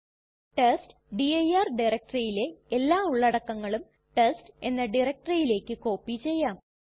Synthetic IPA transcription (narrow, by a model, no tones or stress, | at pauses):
ʈest | ɖiɐjaːrɖirɐk̚ʈrijile̞elːaːuɭːɐɽɐkːɐŋːɐɭum | ʈeste̞nːɐɖirɐk̚ʈrɐjile̞ːkːɨko̞ːpːit͡ɕe̞jːaːm